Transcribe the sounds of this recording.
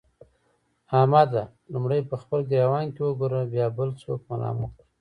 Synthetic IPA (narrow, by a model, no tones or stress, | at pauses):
ɑmɑd̪a | lumɽəjpəxpəlɡɾɑwɑnkewəɡuɾəbjɑbəlt͡sokmalɑ̰məkə